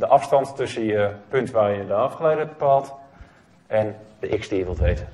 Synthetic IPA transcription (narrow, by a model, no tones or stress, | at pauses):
dəʔɑfstɑnttøsənjəpøntʋaːrjədəɑfχəlejdəbəpaːlˠt | ʔɛndəʔɪksdiəʋəlˠtʋejt